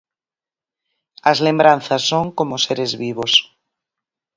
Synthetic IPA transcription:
azlembɾanθasːoŋkomoseɾezβiβ̞os

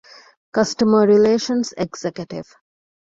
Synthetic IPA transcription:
kʌsʈəməɾileːʃə̃nseɡsekjəʈḭʋ

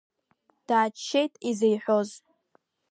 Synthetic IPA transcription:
d̥aːt͡ʃʰːe̞jtʼizejħʷo̞z

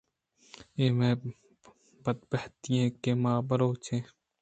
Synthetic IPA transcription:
eːmẽː | bɐt̪̚bɐht̪iẽkemaːbɐɾoːt͡ʃʰẽː

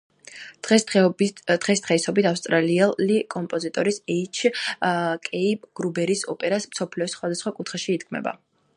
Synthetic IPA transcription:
d̪̥ʁɛsd̪̥ʁɛisɔbit̪ʰafst̪ʼɾaliɛikʼɔmpʼɔzit̪ʼɔɾisɛit͡ʃʰ | kʼɛipʼɡ̥ɾubɛɾisɔ̰pʼɛɾasmsɔpʰliɔsχwad̪asχwakʼut̪χɛʃiːd̪ɡʰmɛ̰ba̰

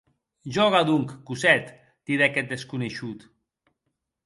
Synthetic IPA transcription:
ʒɔɣaðuŋkːusɛt̪ | d̪̥iðɛkɛt̪̚d̪eskuneʃut̪

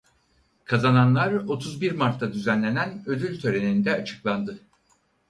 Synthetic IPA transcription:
kʰazananlˠaɾo̞t̪ʰuzbiɾmaɾt̪ʰad̪yzænlʲe̞nænø̞d̪ylʲt̪ʰø̞ɾe̞nind̪ɛat͡ʃʰɯ̥klˠand̪ɯ

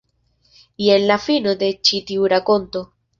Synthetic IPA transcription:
jenlafinod̪e̞t͡ʃit̪iuɾakont̪o

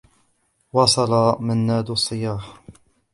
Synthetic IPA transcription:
wɑsˤɑlɑmanːaːd̪ɑsˤːɨjaːħ

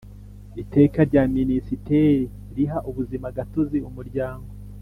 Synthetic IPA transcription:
ite̞ːkaɾɟaminisiteɾi | ɾiɦaʔuβuzimaɡatoziumuɾɟaːŋɡo

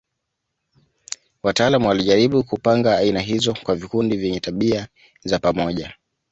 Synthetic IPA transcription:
wataalamuwaliʄaɾiɓukupaŋɡaːinaɦizɔkwavikundivjɛɲɛtaɓia | zapamɔʄa

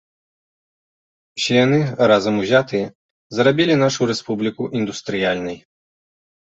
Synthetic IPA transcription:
sʲjʲjanɨɾazɐmuzʲat̪ɨjɛ | zɾabʲilʲinaʂuɾɛspublʲikuʔind̪ust̪ɾɨjalʲnɐj

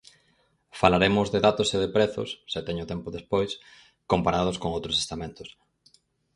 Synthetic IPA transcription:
falaɾemʊzðeðat̪ʊseðepɾeθʊ̰sːet̪ɛɲʊt̪ɛmpʊðespojs | kompaɾað̞ʊskoŋowt̪ɾose̥st̪amẽnt̪ʊs

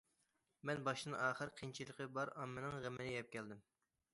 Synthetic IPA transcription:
mɛnbɑʃd̪ɨnɑːχəɾqʰint͡ʃʰilˠəqʰəbɑɾɑmːɨnɨŋʁəmɪnɪjɛp̚kʲʰɛld̪ɪm

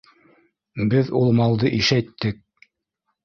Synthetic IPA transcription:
bɘðulˠmɑlˠd̪ɤʔiʃæt̪ːɘk̚

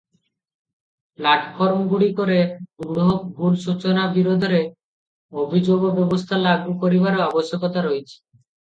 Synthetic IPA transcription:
plaʈʰfoɾmɡuɽikoɾeuɡɽoɦok̚ɡʱuɾʃut͡ɕonabiɾod̪ʱoɾe | obʱid͡ʑoɡobɛbost̪ʰalaɡupoɾibaɾoaboʃjokot̪aɾojt͡ɕʰi̥

